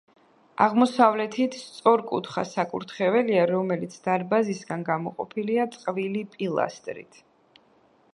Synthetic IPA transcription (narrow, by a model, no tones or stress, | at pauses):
aʁmɔsavlɛt̪ʰit̪ʰst̪sʼɔɾkʼṵt̪ʰχa̰sakʼṵɾt̪ʰχɛvɛliaɾɔmɛlit̪sʰd̪̥aɾbazisɡanɡamɔ̰qʼɔ̰pʰiliat̪sʼqʼvilipʼilˠa̰st̪ʼɾḭt̪ʰ